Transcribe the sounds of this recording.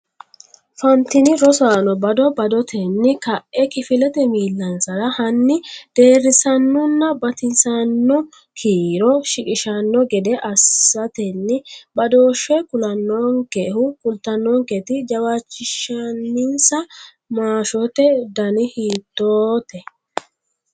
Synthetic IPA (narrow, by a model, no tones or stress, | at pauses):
fɐnt̪ɪnɪɾɔsaːnɔbɐd̪ɔbɐd̪ɔt̪ʰɛnːɪkɐʔʔɛkɪfɪlɛt̪ɛmiːlːɐnsɐɾɐhɐnːɪd̪̥e̞ːrːɪsɐnːɔnːɐbɐt̪ɪnsɐnːɔ | kʰiːɾɔʃɪkʼɪʃɐnːɔɡɛd̪ɛʔɐsːɐt̪ɛnːɪbɐd̪o̞ːʃːɛkʊlɐnːɔːŋkehʊkʼʊlt̪ːɐnːɔːŋkɛt̪ɪd͡ʒɐwaːt͡ʃːɪʃɐnːɪnsɐ | maːʃɔt̪ɛd̪ɐnɪhiːt̪ːoːt̪ɛ